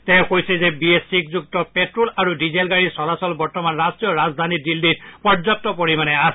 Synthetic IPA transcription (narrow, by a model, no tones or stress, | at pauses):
tɛkojsɛzɛbiesik̚zuk̚tɔpetɹulaɹudizelɡaɹisɔlasɔlbɔɹtɔmanɹastɹijɔɹazd̪ʱanidilditpɔɹzɔtːɔpoɹimanɛas